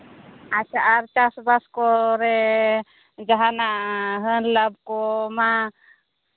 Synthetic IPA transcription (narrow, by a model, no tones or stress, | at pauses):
at͡ʃaʔaɾt͡ʃasbaskɔɾɛ | d͡ʒaɦanaɦənlab̚kɔma